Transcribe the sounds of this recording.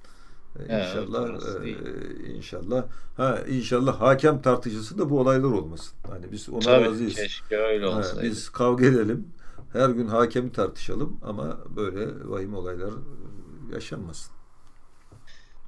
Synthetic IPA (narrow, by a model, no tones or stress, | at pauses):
inʃa̰lˠːah | ḭnʃa̰lˠːahhɛḭnʃalˠːahhaːcʰæmt̪ʰaɾt̪ʰɯʃɯsɯnd̪abuolˠajlˠaɾo̞lˠmasɯ̥nha̰nibizo̞̰naazɯjiʃøjlhɛbizkʰavɡed̪elʲim | hæɾɟynɦaːcʰemit̪ʰaɾt̪ʰɯ̥ʃalˠɯma̰ma̰bø̞jlʲɛ̰va̰ɦimo̞lˠajlˠaɾ | ja̰ʃanmasɯ̥n